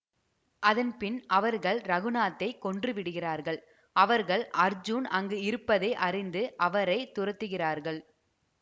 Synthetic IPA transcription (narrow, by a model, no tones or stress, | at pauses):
ʔɐðɐnpɪnʔɐʋɐɾɣɐɭɾɐɣɯnaːt̪ːɐɪkːɔɳdrɯʋɪɽɯɣɪraːɾɣɐɭ | ɐʋɐɾɣɐɭʔɐɾd͡ʒunɐŋɡɯɪɾɯpːɐðɐɪʔɐrɪnd̪ɯʔɐʋɐɾɐɪt̪ʊrɐt̪ːɯɣɪraːɾɣɐɭ